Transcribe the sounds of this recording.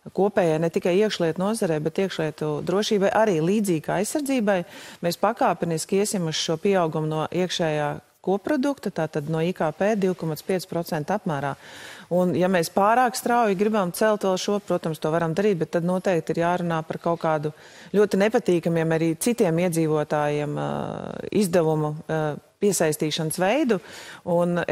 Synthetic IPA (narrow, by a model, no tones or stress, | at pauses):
kuɔpɛːjajnɛt̪ikajiɛkʃlˠiɛt̪unuɔzaɾɛjbɛt̪iɛkʃlˠiɛt̪ud̪ɾuɔʃiːbajʔaɾiːlˠiːd̪ziːɡa̰jsːaɾd̪ziːbajmeːspakaːpiniskiɛsʲimuʃʃuɔpiɛawɡumʊnuɔʔiɛkʃɛːjaː | kuɔppːɾɔd̪ukt̪at̪aːt̪ad̪nuɔiːkaːpeːd̪iʊkɔmat̪spiɛt̪spɾɔt̪sɛnt̪apmæːɾaːunjamɛːspaːɾaːkst̪ɾawjiɡɾibamt̪sɛlˠt̪ʋɛlˠʃuɔpɾuɔt̪amst̪uɔʋaɾamd̪aɾiːt̪̚bɛt̪ːad̪nuɔt̪ɛjk̚t̪iɾjaːɾunaːpaɾkawkaːd̪u | lʲuɔt̪inɛpat̪iːkamiɛmaɾiːt̪it̪iɛmiɛdziːʋuɔt̪aːjiɛm̰ | izd̪ɛʋumupiɛsajst̪iːʃansʋɛjd̪uun